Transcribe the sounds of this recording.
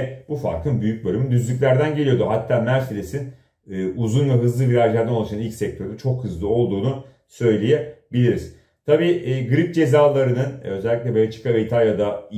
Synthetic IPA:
bufa̰ɾkʰɯnbyjyc̚bølʲymynd̪yzlʲyc̬lʲæɾd̪ænɟe̞lʲijo̞d̪uɦat̪ʰːaːmæɾselʲesinː | ʔuzunvɛɦɯzlˠɯviɾaʒlʲæɾd̪anoaʃanilcʲsɛc̚t̪ʰø̞ɾyt͡ʃʰo̞khɯzlˠɯo̞lˠd̪uːnu | sø̞jlʲejɛbilʲiɾiz̥ | t̪ʰabiːʔːɡɯɾip̚d͡ʒe̞zaːlˠaɾɯnɯnø̞zɛlʲːicʲlʲɛbejlʲɛt͡ʃʰi̥kaɯjt̪ʰajad̪a

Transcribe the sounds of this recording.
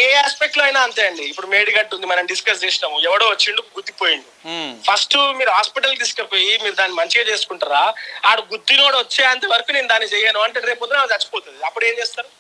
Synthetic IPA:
eːaːspek̚ʈloɐjnaːɐnt̪aːjɐɳɖiːpːuɽumeːɽiɡɐɳʈund̪imɐnɐmɖiskɐs̬t͡ʃeːsʈɐmuɛʋɐɽoːʋɐt͡ʃːiɳɖuɡuɾt̪ːipoːjiɳɖipʰɐsʈmiːɾuɦaːspiʈɐlɖiskɐpoːjimiːɾud̪aːnːimɐɲt͡ʃiɡeːt͡ʃe̞ːsu̥kuɳʈaɾaːaːɽuɡut̪ːinoːɽʋɐt͡ʃːeːɐnt̪ɐʋɐɾɐkuːneːnud̪aːnːit͡ʃɛjɐnuɐɳʈeːɾe̞ːpoːt̪unaːt̪ɐt͡ʃːi̥pɔːt̪und̪iɐpːuɽe̞ːɲt͡ʃeːst̪aːɾu

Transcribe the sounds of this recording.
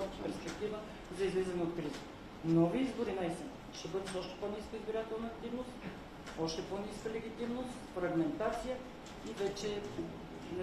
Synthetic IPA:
pɛɾspɛk̚t̪ivə | zɐizlizənot̪kɾizə | nɔviizboɾinajsɛn | ʃɛbɤd̪ɛt̪ɔʃt̪ɛ̥pɔniskəizbiɾat̪ɛlˠnəːkt̪ivnost̪ | ɔʃt̪ɛponiskəlɛɡʲit̪imnost̪fɾɐɡmɛnt̪at̪sijə | ivɛt͡ʃɛ | nɛ

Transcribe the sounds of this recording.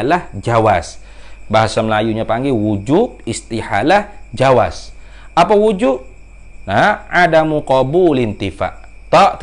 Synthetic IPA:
lahd͡ʒawas | baɦasaməlajuɲapaŋɡɛwud͡ʒub̚ist̪iha̰lahd͡ʒawa̰s | ʔapawud͡ʒub̚ | naadamuqɔbulint̪ifa̰ʔ | t̪ɔʔt̪

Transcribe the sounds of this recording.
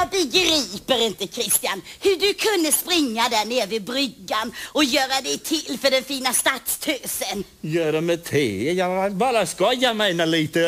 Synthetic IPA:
bɛɡɾiːpəɾɪnt̪əkʰɾɪst̪ɪjanhɵɖɵkʰɵnd̪əspɾɪŋːad̪æɳeːvɪbɾʏɡːanɔjœːɾad̪ɛjt̪ʰɪlːfœɖɛnfiːnast̪at̪st̪ʰøːsənjœːɖɛmɛt̪ʰɪjɑbɑɾaskajœmɛɪnaliːt̪ə

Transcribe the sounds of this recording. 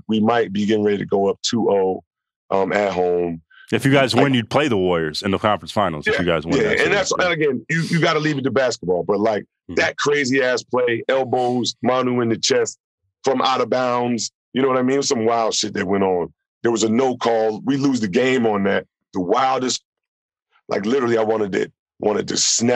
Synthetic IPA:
wimaɪt̚b̥iɡɪɾ̃ŋɹɛɾiɾɨɡoʊʌp̚tʰuʔoʊ | ʔʌ̃mɨt̚ɦõʊ̃m | ɨfjʉɡaɪzwɨ̃njɨd̚pʰl̥eɪðəwɔɪə˞zɨ̃nðəkʰɑ̃ɱfɹə̃n̩sfãɪ̃nl̩ˠzjɨfjʉɡaɪzwjæɨ̃nðætsɨ̃nɨɡɛ̃njɨjɨɡɑɾəlivɨtɨbæskət̚b̥ɔlˠbʌt̚ˡlaɪk̚ | ðɨt̚kʰɹ̥eɪziæz̥pʰl̥eɪʔɛlˠboʊzmɑnuɨ̃nðɨt͡ʃʰɛst | fɹʌ̃mʔa̰ɾəbãʊ̃nz̥ | jɨnoʊwʌɾaɪmĩnsʌ̃mwaɪlˠd̥ʃɪt̪̚ðɨt̚wɛ̃ɾtn̩ | ðə˞wʌzɨnoʊkʰɔlˠwiluzðɨɡẽɪ̃mə̃nðɨt̚ | ðəwaɪlˠdɨst̚ | lʔa̰ɪklɪɾə˞l̩ˠiaɪwɑ̃ɾ̃ɨd̚ɨ̰t̚ | wɑ̰̃ɾ̃ɨd̚tʰɨ̰snæ

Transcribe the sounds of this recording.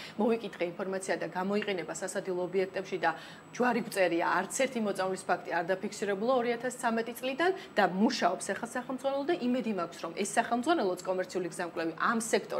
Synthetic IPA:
mɔvikʼit̪χɛinpʰɔɾmat̪sʰiad̪aɡamɔiqʼɛnɛbasasad̪ilˠɔːbiɛk̚ʰt̪ʼɛpʃid̪a | d͡ʒwaɾik̚ʰʼt̪sʼɛɾiaːɾt̪sʰɛɾt̪ʰimɔt̪sʼavlispʰakʰt̪ʼiaɾd̪apʰikʰsiɾɛbulˠaɔɾiat̪ʰast̪sʰamɛt̪ʼit̪sʼlid̪and̪amuʃaɔpsɛχasaχɛlˠd̪zʁwanɛlˠɔd̪aʔimɛd̪imakʷʰsɾɔmʔɛsːaχɛlˠmdzʁwanɛlˠɔt̪skʼɔmɛɾt̪sʰiuliɡzamkʼlɛviʔamsɛkʰt̪ʼɔ

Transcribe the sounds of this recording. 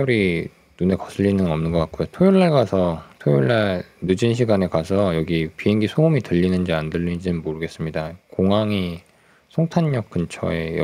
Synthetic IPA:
ʌɾi | nune̞kʌs͈ʰɯʎːinɯnnʌmnɯnɡʌk͈ak͈ojotʰojuɭːaɭɡasʰʌtʰojuɭːaɭnɯd͡ʑinɕ̬ʰiɡane̞kasʰʌjʌɡipiɦeŋɡisʰoumitɯʎːinɯnd͡ʑiandɯʎːid͡ʑinɯnmoɾɯɡe̞s͈ɯmɲidakoŋɦaŋi | sʰoŋtʰaɲɲʌk̚k͈ɯnt͡ɕʰʌ̰ej

